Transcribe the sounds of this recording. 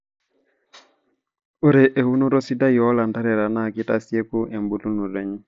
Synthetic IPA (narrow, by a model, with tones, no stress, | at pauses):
o˦ɾe˨ʔe˨hu˦no˦ɾo˦si˦da˦jɔ˦la˨n˨da˦ɾɛ˨ɾa˨na˦˨ki˦ta˦si˦e˦ku˦ʔe˨mbu˨tu˦nu˨ɾe˨˦ɲi˦